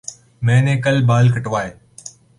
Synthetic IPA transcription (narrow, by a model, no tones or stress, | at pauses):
mẽːnẽːkəlbaːlkʰəʈʋaːɦeː